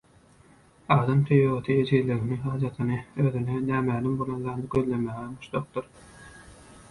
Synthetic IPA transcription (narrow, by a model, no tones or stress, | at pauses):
ɑːd̪ɑmt̪ʰyjoot̪ʰɯed͡ʒiɾleɣiniɦɑːd͡ʒɑt̪ʰɯnɯøːðynenæːmæːlimbolˠɑnzɑːnd̪ɯɡøðlemæːɣebuʃlˠoq̚d̪ɯɾ